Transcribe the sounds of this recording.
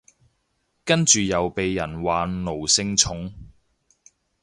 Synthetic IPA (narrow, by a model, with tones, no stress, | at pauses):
kɐ˥nt͡ʃyː˨jɐ˨wpe˨jːɐ˨˩nwaː˨˥nlo˨˩wsɪ˧ŋt͡sʰʊ˨˥ŋ